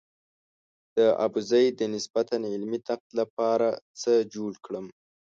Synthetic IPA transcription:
d̪̥əa̰buzajd̪ənɪsbat̪anɪlmit̪aq̚t̪lap̚ɑɾat͡səd͡ʒoɽkɽəm

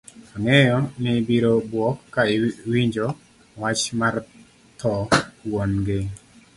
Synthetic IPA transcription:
aŋɛjɔnɪbiɾobwɔkːaɪwiɲd͡ʒo | wat͡ʃmar | t̪ʰɔwonɡɪ

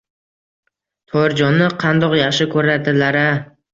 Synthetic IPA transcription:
t̪ʰɒjɪɾd͡ʒɒnːɪqʰɑnd̪ɒqjɑχʃɪkʰɵɾad̪ɪlaɾa

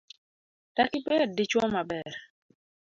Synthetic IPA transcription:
takipɛdit͡ʃwɔmabɛɾ

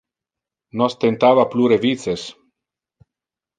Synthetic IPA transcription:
nost̪ent̪avapluɾevit̪t͡ses

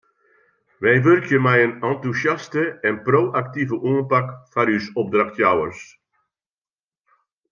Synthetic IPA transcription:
ʋɛjʋørkʰjəmɛjənɑntusjastəɛnproːʔak̚tivəʔuːnpakfaɾysɔb̚draxtjawərs

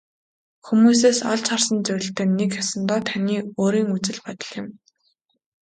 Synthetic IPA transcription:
xumuːs̬eːsaɮt͡ɕχarsə̆nt͡sœɾʲɪ̆ɬt̪eːnekxasə̆nt̪ɔːt̪ʰaniːoːɾiːŋut͡sɘ̆ɮpɔt̪ə̆ɮɪ̆m

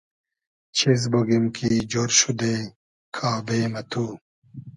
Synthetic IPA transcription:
t͡ɕʰiz̬boɡimkʰiːd͡ʑoɾɕud̪eː | kʰaːbeːmɐt̪ʰuː

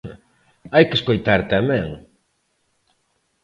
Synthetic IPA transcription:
ajkɪeskojt̪aɾt̪amɛ̃ŋ

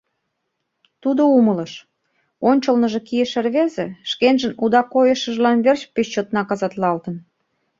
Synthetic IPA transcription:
t̪ud̪oumələʃ | onʲt͡ɕəlnə̆ʒekijə̆ʃĕrβezeʃkenʒənud̪ɑkojəʃə̆ʒlɑnβert͡ɕpeɕt͡ɕːot̪nɑkɑzɑt̪lɑlt̪ə̆n

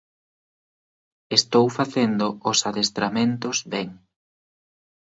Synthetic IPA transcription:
est̪owfaθend̪ʊʊsaðest̪ɾamẽnt̪ʊzβeŋ

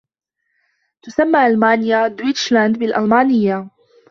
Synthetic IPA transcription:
t̪ʊsamːaːʔalmaːnɪjad̪wit͡ʃland̪bɪlʔalmaːnɪjːa

